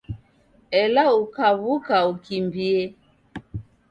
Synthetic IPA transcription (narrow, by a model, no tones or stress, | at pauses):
ɛlaukaβukaukimbiɛ